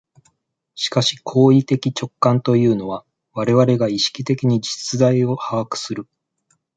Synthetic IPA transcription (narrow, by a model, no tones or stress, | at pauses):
ɕi̥kaɕi̥kʰo̞ːit̪e̞kʲit͡ɕo̞kːãnt̪o̞jɯ̟ːno̞βa | βaɾe̞βaɾe̞ɡaiɕi̥kʲit̪e̞kʲiɲ̟id͡ʑi̥t͡sɨd̪aio̞haβakɯ̟̥sɨɾɯ̟